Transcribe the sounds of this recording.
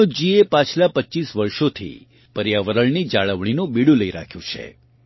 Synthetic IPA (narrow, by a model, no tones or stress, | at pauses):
od͡ʒiepat͡ʃʰlapətːt͡ʃisʋəɾʃot̪ʰḭ | pəɾjaʋəɾəɭnid͡ʒaɭəʋɳ̃inõbiɽũləiɾa̰kʰjũt͡ʃʰḛ